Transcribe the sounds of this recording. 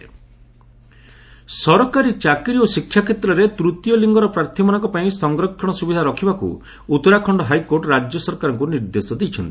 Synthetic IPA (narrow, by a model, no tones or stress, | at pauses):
sɔɾɔkaɾit͡ʃakɾiosikʰjakʰet̪ɾɔɾet̪ɾut̪jɔliŋɡɔɾɔpɾaɾt̪ʰimɔnaŋkɔpaĩsɔŋɡɾɔkʰːɔɽ̃ɔsubid̪ʱaɾɔkʰibakṵ | ut̪ɔɾakʰɔɳɖɔɦajkoɾʈɾad͡ʒjɔsɔɾkaɾɔ̃ŋkuniɾd̪esɔd̪ejt͡ʃʰɔnt̪i̥